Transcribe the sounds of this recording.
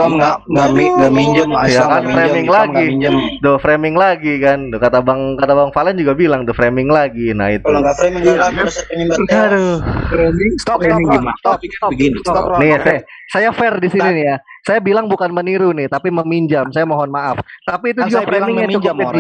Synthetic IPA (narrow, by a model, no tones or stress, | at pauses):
maaiamiɲd͡ʒamjakanfɾemɪŋlaɡid͡ʒamdofɾemɪŋlaɡikandokat̪abaŋkat̪abaŋfaland͡ʒuɡabilaŋd̪ʊfɾemɪŋlaɡina̰ɪt̪̚aemɪŋasŋinadoɾemɪŋst̪ɔŋmat̪ɔɔɡinɔniasa | sajafɛrdisininija | sajabilaŋbukanməniɾunɪht̪apiməmiɲd͡ʒamsajamɔɦɔnmaʔaft̪apiːt̪̬ud͡ʒuɡafɾemɪŋjaud͡ʒaəi